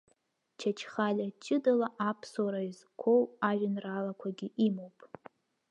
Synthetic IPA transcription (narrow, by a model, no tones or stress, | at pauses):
t͡ʃʰat͡ʃʰχalʲat͡ʃʼɪdalaʔapʰsaɾaizkʷʰo̞waʒʷᶣanralakʷʰaɡʲiʔimowpʼ